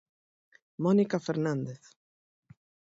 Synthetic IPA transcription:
mɔnikafɛɾnand̪eθ

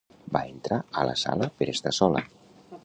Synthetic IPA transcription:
baent̪ɾaəla̰sa̰ləpeɾest̪asɔla̰

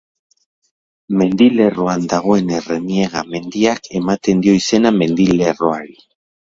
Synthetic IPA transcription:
me̞nd̪ile̞ro̞and̪aɣ̞o̞e̞ne̞re̞nie̞ɣame̞nd̪iakʰe̞mat̪e̞nd̪io̞ise̞name̞nd̪ile̞ro̞aɾi

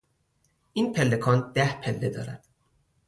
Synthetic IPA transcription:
ʔiːnpʰelːe̞kʰɒːnd̪̥æhpʰelːe̞d̪ɒ̰ːɾæ̰d̪̥

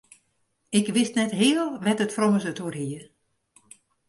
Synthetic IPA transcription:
ɪkʋɪstnɛtɦɪːəlˠʋɛtətfroməsətoərɦiə

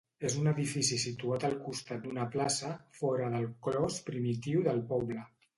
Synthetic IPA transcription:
ezunəðifisisit̪uat̪əlˠkust̪at̪̚d̪unəplasəfɔɾəðəlˠklɔspɾimit̪iwðəlˠpɔβlə

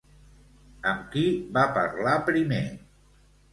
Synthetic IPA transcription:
əmkiβapə̰ɾlapɾime

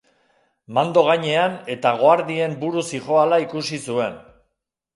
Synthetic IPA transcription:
mand̪o̞ɣ̞aɲe̞ane̞t̪aɣ̞oaɾðie̞mbuɾusixo̞alaikusisue̞n

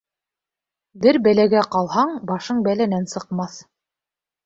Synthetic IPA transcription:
bɘɾbælæɡæqɑlˠhɑɴbɑʃɤɴbælænænsɤ̆qmɑθ

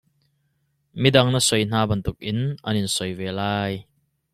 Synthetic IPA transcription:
midɐŋnɐsɔjn̥aːbɐnt̪ʊk̚ʔɪnʔɐnɪnsɔjvɛːlaːj

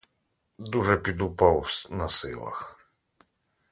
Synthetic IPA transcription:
d̪uʐɛpʲid̪upawsnɐsɪ̰lˠɐ̰x

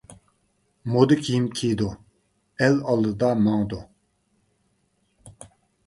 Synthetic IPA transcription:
mod̪ɨkʲʰijimkʲʰid̪u | ɛlɑlˠd̪ɨd̪ɑmɑŋd̪u

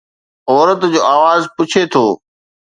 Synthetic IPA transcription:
ɔːɾət̪d͡ʑoːaːʋaːzpʊt͡ɕʰet̪ʰoː

